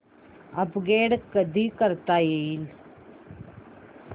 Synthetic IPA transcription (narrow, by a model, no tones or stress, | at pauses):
ɐpɡeːɽkːɐd̪ikɐɾt̪ːaːjɐjɪl